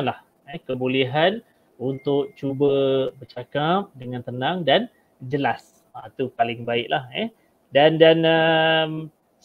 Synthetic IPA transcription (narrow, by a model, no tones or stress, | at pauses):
nlah | ɛhkəbuliɦan | unt̪ʊk̚t͡ʃubəbərt͡ʃakap̚dəŋãnt̪ənãŋdan | d͡ʒəlas | at̪upalɪŋbaɪʔlahɛ | dandanəm